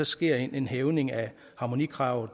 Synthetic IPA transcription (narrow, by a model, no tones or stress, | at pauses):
ɒ̽sɡ̥e̝ɐ̰ene̝nɦeʊne̝ŋæ | hɑ̈mo̝nḭkʰʁɑ̈ʊ̰ð̩ˠ